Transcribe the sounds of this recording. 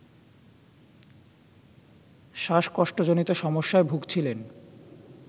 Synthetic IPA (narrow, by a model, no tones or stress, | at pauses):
ʃaʃkɔʃʈod͡ʑonit̪oʃɔmoʃːaebʱuɡt͡ɕʰilen